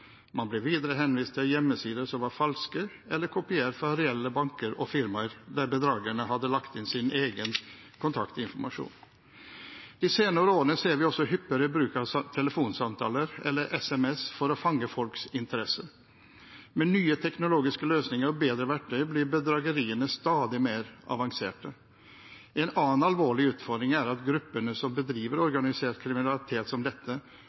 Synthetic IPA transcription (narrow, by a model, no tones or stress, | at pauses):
mɑnblɪʋiːd̪əɾəɦɛnʋiːst̪ʰɪljɛmːəsiːd̪əsɔmʋɑɾfɑlskə | ʔɛlːəɾkʰʊpɪeːɾfɾɑɾɛɛlːəbɑŋkəɾɔfɪɾməɾd̪æɾbəd̪ɾɑːɡəɳəɦɑd̪ːəlɑkt̪ɪnsɪnʔeːɡən | kʰʊnt̪ʰɑ̰kt̪ɔɪnfɔɾmɑʂṵːn | d̪̥iːseːnəɾəoːɾənəseːɾʋɪɔsɔhʏpːəɾəbɾʉːkɑt̪ʰɛləfuːnsɑmt̪ʰɑ̰ːləɾɛ̰lːəɾʔɛsɛmɛsfɔɾɔfɑŋːəfɔlksɪnt̪ʰəɾɛsːə | mɛnːyːət̪ʰɛknʊloːɡɪskəløːsnɪŋəɾɔbeːd̪ɾəʋæʈːœblɪɾbəd̪ɾɑːɡəɾiːənəst̪ɑːd̪ɪmeːɾʔɑ̰ʋɑŋsḛːʈə | ɛnɑːənɑlʋoːɭɪʉːt̪fɔɾd̪ɾɪŋæɾɑt̪ɡɾʉpːəɳəsɔmbəd̪ɾiːʋəɾɔɾɡɑnɪseːʈkʰɾɪmɪnɑlɪt̪ʰeːt̪sɔmd̪ɛt̪ʰːə